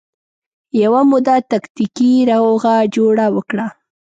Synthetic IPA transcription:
jawamʊd̪at̪akt̪ikiɾawoɣad͡ʒoɽawəkɽa

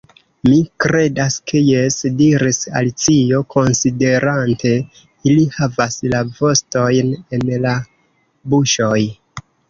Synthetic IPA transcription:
mikɾe̞daske̞jesdiɾisa̰lit͡sijo̞kʰo̞nside̞ɾante̞ | ilihavaslavo̞sto̞jne̞nla | buʃo̞j

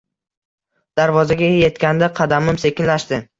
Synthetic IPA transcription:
d̪̥aɾvɒzaɡʲaje̞t̪kʲand̪aqʰɑd̪amɪmse̞kʲɪnlaʃd̪ɪ

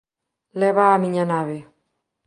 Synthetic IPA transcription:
leβaːmiɲanaβe

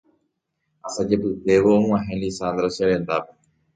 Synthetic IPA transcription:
asad͡ʒepɨt̪eʋõːãɦẽlisand̪ɾoseɾend̪ape

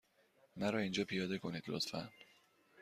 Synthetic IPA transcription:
mæɾɒːind͡ʒɒːpʰijɒːd̪e̞kʰo̞nid̪lo̰t̪fæ̰n

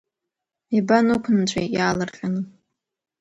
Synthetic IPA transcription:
ibanukʷʰnt͡ɕʷʰḛjjaːlɨrχʲʼanɨ

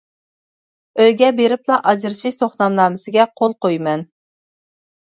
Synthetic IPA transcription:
øjɡʲɛbeɾɪplˠɑʔɑd͡ʒɪɾʃiʃt̪ʰoχnɑmlˠɑːmɨsɪɡʲɛqʰolˠqojmɛn

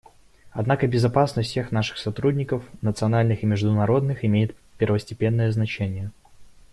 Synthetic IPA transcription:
ɐd̪nakəbʲɪzɐpasnəsʲt̪ʲsʲexnaʂɨ̥xsɐt̪ɾudʲnʲɪkəfnət̪sɨɐnalʲnɨxɪmʲɪʐd̪ʊnɐɾo̞d̪nɨxɪmʲejɪt̪̚ | pʲɪrvəsʲtʲɪpʲe̞nːəjəznɐt͡ɕenʲɪjə

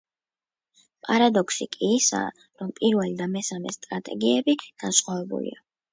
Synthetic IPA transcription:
pʼaɾad̪ɔkʰsikʼiːsa̰ː | ɾɔmpʼiɾvɛlid̪amɛsamɛ̰st̪ʼɾat̪ʼɛɡiɛbiɡ̥ansqʼavɛbṵlḭa

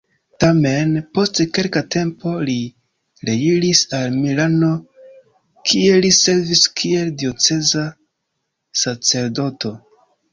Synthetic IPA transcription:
tame̞npo̞stke̞lkatʰe̞mpo̞li | ɾeɡiɾisalmilano̞ | kʰie̞lise̞ɾviskʰie̞ldio̞t͡se̞za | sat͡se̞ɾdo̞to̞

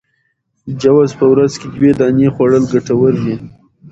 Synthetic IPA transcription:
əd͡ʒawɑzpəwɾazked̪wed̪ɑnjexwaɽəlɡaʈawəɾwi

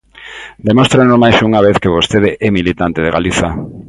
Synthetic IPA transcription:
d̪emost̪ɾenomajsuŋaβeθkeβost̪eðeʔɛmilit̪ant̪eð̞eɣa̰liθa

